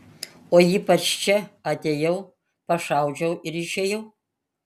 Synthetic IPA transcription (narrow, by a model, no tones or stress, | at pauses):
oːiːpɐt͡ʃt͡ʃʰɛɐt̪ʲeːjɛʊ | pɐʂɑwd͡ʒʲɛwɪɾɪʃeːjɛw